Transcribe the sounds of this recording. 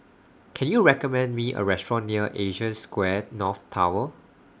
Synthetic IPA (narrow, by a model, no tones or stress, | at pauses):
kʰɛ̃njuɹɛkɔmɛ̃ndmiʔə̰ɹɛstɹɔ̃nːiəʔeʒə̃skwɛnɔθtʰa̰wə